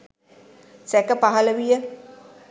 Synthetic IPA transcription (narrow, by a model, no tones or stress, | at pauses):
sɛkəpaɦɐləʋijə